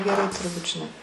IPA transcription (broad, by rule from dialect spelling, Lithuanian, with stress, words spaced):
ɡʲɛˈrɐɪ tʊrˈbuːt ʒʲɪˈnɐɪ